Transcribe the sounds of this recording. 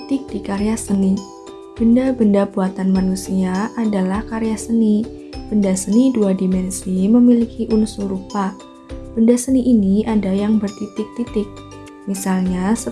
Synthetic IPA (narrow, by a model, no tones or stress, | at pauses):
t̪ɪk̚dikaɾejasəni | b̥əndabəndabuat̪anmanusiaʔadalahkaɾejasəni | b̥əndasəniduadimɛnsiməmilikiʔunsuɾupa | b̥əndasəniʔiniʔadajaŋbərt̪it̪ɪk̚t̪it̪ɪk̚ | misalɲasə